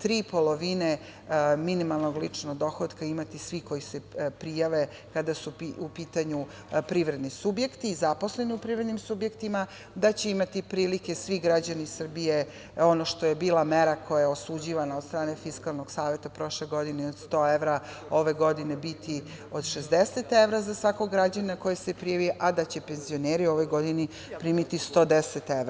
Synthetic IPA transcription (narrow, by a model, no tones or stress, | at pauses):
t̪ɾiːpo̞lo̞ʋine | minimalˠnoɡlit͡ʂnoɡd̪o̞xod̪kaimat̪isʋiko̞jisɛpɾijaʋe̞ | kad̪asupiupiːt̪aɲu | pɾiʋɾe̞d̪nisubje̞kt̪iːzapo̞sle̞niupɾivɾe̞d̪nimsubje̞kt̪ima | d̪at͡ɕe̞imat̪ipɾiːlike̞sʋiɡɾad͡ʑanisr̩bije̞ | o̞no̞ʃt̪oje̞biːlameɾakʰo̞jajaosud͡ʑiʋanaod̪st̪ɾaːne̞fiskalˠnoɡ̥saːʋje̞t̪apɾo̞ʃleɡo̞d̪ineod̪st̪o̞eʋɾa | o̞ʋe̞ɡo̞d̪ine̞bit̪ʰi | o̞d̪ʃezd̪ese̞t̪eʋɾazasʋakoɡːɾad͡ʑaninako̞jesepɾijaʋiʔad̪at͡ɕe̞pe̞nzioneːɾio̞ʋo̞jɡo̞d̪ini | pɾiːmit̪ist̪o̞d̪eset̪eɾa